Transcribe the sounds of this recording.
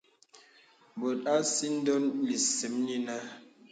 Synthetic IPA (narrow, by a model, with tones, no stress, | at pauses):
bo˨ta˦si˦n̩˦dɔ˦nli˨si˨˦mni˦na˦